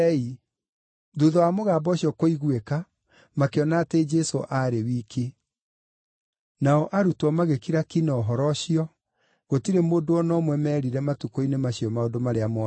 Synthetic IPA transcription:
i | duðɔwamoɣaːbɔɕjɔkoiɣweka | makeɔnaːted͡ʒɛsoʔaɾewiːkʰe | naɔʔaɾutwɔmaɣekiɾakinɔɦɔɾɔɕiɔ | ɣotiɾemoːdoɔnɔmwɛmɛːɾiɾɛmatukoinemaɕiɔmaodomaɾeamɔ

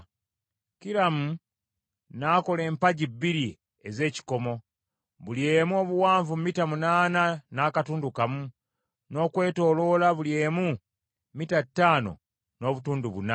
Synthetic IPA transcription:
kiɾamu | nako̞le̞ːmpaɟibːiɾi | eze̞ːci̥ko̞mo̞ | βulje̞ːmuo̞ːβuwaːɱvummitamunaːnanaːkatuːndukamu | no̞ːkwe̞ːto̞ːlo̞laβulje̞ːmu | mitatːaːno̰ | no̞ːβutuːnduβuna

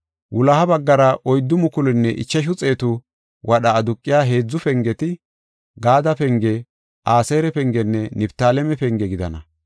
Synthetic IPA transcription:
wʔʊlɐhɐbɐɡːɐɾɐʔɔjd̪ːʊmʊkʊlɪnːɛʔɪ̰t͡ʃːɐʃ̬ʊt͡sʼe̞ːt̪ʊ | wʔɐɗɐːd̪ʊkʼːɪjaːɦe̞ːd͡zːʊfɛŋɡɛt̪ɪ | ɡaːd̪ɐpɛŋɡɛ | ʔaːseːɾɛpɛŋɡɛnːɛnɪbt̪aːlɛmɛpɛŋɡɛɡɪd̪ɐ̰nɐ̰

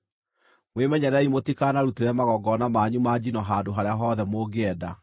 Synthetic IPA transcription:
mwemɛɲɛɾɛimotikaːnaɾuteɾɛmaɣɔɡɔnamaːɲumad͡ʑinɔɦaːdoɦaɾeaɦɔːðɛmoːɡeɛda

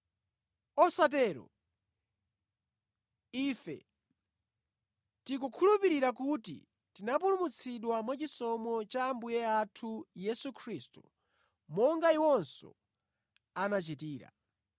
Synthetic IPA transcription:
ɔsatɛːɾɔ̰ | iːfɛ̰ | tik̬ukʰulupiɾiɾak̬utḭ | tinapulumut͡sʰiɗwamwat͡ʃisɔmɔt͡ʃaːmbujɛatʰujɛsukʰɾistu | mɔŋɡaiwɔnsɔ̰ | anat͡ʃitiːɾa̰

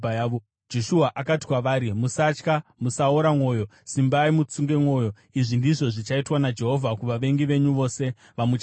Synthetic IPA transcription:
ajʋo | d͡ʒo̞ʃuaʔakati̥kwaʋaːɾimusat͡ʃkamusaoɾamo̞ːjo̞simbaimut͡suŋɡe̞mwo̞ːjo̞ | iʐindiʐo̞ʐit͡ʃaitwanad͡ʒe̞ɦo̞vʱakuʋaʋe̞ŋɡiʋe̞ɲuʋo̞ːse̞ | ʋamut͡ʃ

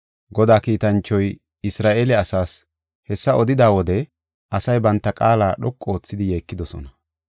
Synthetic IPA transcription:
ɡɔd̪aːkiːt̪ɐnt͡ʃːɔj | ɪsɾaːʔeːlɛɐsaːs | hɛsːɐɔd̪ɪd̪aːwɔd̪ɛ | ʔɐsɐjbɐnt̪ːɐkʼaːlaːɗɔkʼːo̞ːt͡sːɪd̪ɪjeːkːɪd̪ɔsɔ̰nɐ

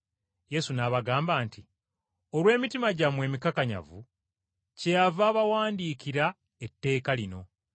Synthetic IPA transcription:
je̞sunaːβaɡaːmbaːnti | o̞lwe̞ːmitimaɟamwe̞ːmikakaɲa̰vṵ | cejavaːβawaːndiːkiɾa | etːe̞ːkalino̞

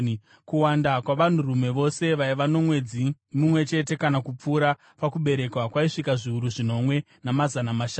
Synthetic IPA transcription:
kuwandakwaʋan̤urume̞ʋo̞se̞ʋaiʋano̞mwe̞d͡zimumwe̞t͡ʃe̞te̞kanakup͡fuːɾa | pakuɓe̞ɾe̞kwakwaiʂikaʐiuɾuʐino̞mwe̞ | namazanamaʃn

